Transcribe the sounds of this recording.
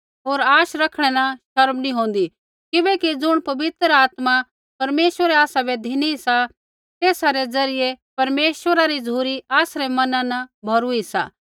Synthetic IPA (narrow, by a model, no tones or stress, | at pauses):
ɦoːɾaːʃɾɐkʰɽ̃ɛnaʃɐɾmnĩɦõːn̆d̪i | kɪbɛkid͡zʊɽ̃pɐbɪt̪ɾaːt̪ma | pɐɾmeːʃʋəɾɛaːsabɛd̪ʱiniisa | t̪eːsaɾed͡zɐɾɪjepɐɾmeːʃwəɾaɾizuːɾiaːsɾemɐnãnɐbʱɐɾuisa̰ː